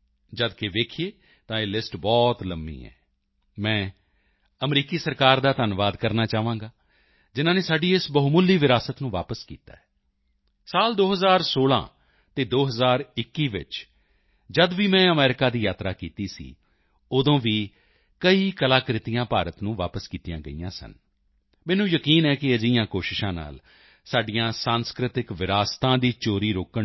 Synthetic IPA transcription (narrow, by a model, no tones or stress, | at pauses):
d͡ʒəd̪keʋeːkʰieː | t̪ãːeːlɪsʈbɔːt̪ləmbḭːɛ̰ː | mɛ̃ː | əmɾiːkiːsəɾkaːɾd̪aːt̪ənʋaːd̪kəɾnaːt͡ʃaːʋãːŋɡaː | d͡ʒɪnãːneːsaːɖiːɪsbəɦumʊlːiːʋɪɾaːsət̪nũːʋa̰ːpəskḭːt̪a̰ːɛː | saːld̪oːɦəzaːɾsoːlã̰ː | t̪eːd̪oːɦəzaːɾɪkːiːʋɪ̰t͡ʃ | d͡ʒəd̪ʋiːmɛ̃ːəmɛːɾɪkaːd̪iːjaːt̪ɾaːkiːt̪iːsḭː | oːd̪õːʋiː | kəiːkəlaːkɾɪt̪ijãːpaːɾət̪nũːʋa̰ːpəskiːt̪ijãːɡə̰ḭːãːsə̰n | mɛ̃ːnũːjəkiːnɛːkɪəd͡ʒɪjãːkoːʃɪʃãːna̰ːl | saːɖɪjãːsaːnskɾɪt̪ɪkʋɪɾaːst̪ãːd̪iːt͡ʃoːɾiːɾoːkə